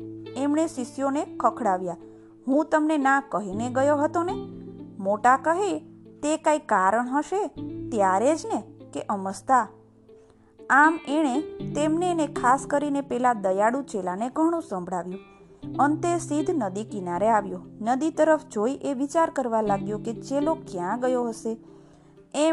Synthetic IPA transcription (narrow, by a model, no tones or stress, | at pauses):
emɳesisjonekʰəkʰɽaʋja | ɦũt̪əmnenakəɦineɡəjoɦət̪onemoʈakəɦet̪ekaikaɾəɳ̃ɦəʃet̪jaɾed͡ʒnekeʔəməst̪a | ameɽ̃et̪emnenekʰaskəɾinepɛlad̪əjaɽũt͡ʃelaneɡʱəɽ̃ũsə̃mbʱɽaʋjũ | ənt̪esid̪ʱnəd̪ikinaɾeaʋjõnəd̪it̪əɾəfʰd͡ʒoiʔeʋit͡ʃaɾkəɾʋalaɡjõket͡ʃelokjãɡəjoɦəʃe | e